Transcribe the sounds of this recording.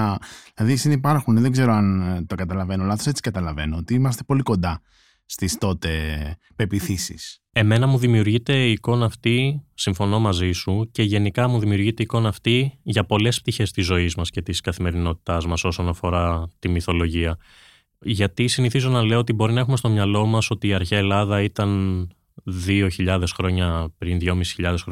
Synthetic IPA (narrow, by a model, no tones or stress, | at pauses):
ilɐðisinipɐɾxunðeɡze̞ɾoɐnt̪okɐt̪ɐlɐve̞noɐlɐθose̞t͡si̥kɐt̪ɐlɐve̞noot̪iimɐst̪e̞po̞liko̞nd̪ɐ | st̪ist̪o̞t̪e̞ | pe̞piθisḭs | e̞me̞nɐmuðimiuɾʝit̪e̞iːko̞nɐːft̪isiɱfo̞no̞mɐzisuce̞ʝe̞nikɐmuðimiuɾʝit̪eiko̞nɐːft̪iʝɐpo̞le̞sp̚t̪içe̞st̪izːo̞izmɐsce̞t̪iskɐθime̞ɾino̞t̪i̥t̪ɐzmɐso̞so̞nɐfo̞ɾɐt̪imiθo̞lo̞ʝiɐ | ʝɐt̪isiniθizo̞nɐleoot̪ibo̞ɾinɐe̞xume̞st̪omɲɐlo̞mɐso̞t̪iːɐɾçeɐelɐðɐit̪ɐn | ðio̞çiʎɐðe̞sxɾo̞ɲɐpɾinðʝo̞misi̥çiʎɐðesxɾo